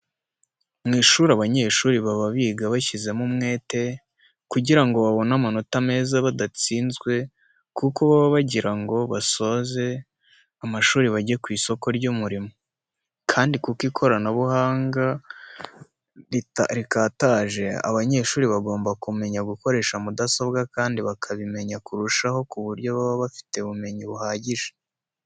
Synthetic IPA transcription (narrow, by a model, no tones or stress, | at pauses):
mŋiːʃuɾaβaɲe̞ːʃuːɾiβaβaβiːɡaβaçize̞mumŋe̞ːte̞ | kuɟiɾaŋɡo̞βaβo̞namano̞tame̞ːzaβadat͡siːnzɡwe̞ | kuko̞βaβaβaɟiɾaŋɡo̞βaso̞ze̞ | amaʃuːɾiβaɟekwiːso̞ko̞ɾɟumuɾimo | kʰaːndikukiːkʰo̞ɾanaβuhaːŋɡa | ɾiɾikaːtaːʒe̞a̰βaɲe̞ʃuːɾiβaɡo̞ːmbakume̞ɲaɡuko̞ɾe̞ːʃamudasobɡakaːndiβakʰaβime̞ɲakuɾuʃaho̞kuβuɾɟo̞βaβaβafi̥te̞βume̞ɲiβuhaːɟiʒe̥